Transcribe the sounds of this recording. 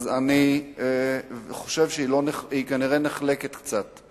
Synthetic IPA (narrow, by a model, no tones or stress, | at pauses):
zani | χo̞ʃe̞vʃeiloneikaniʁe̞neχle̞ket̪kt͡sat̪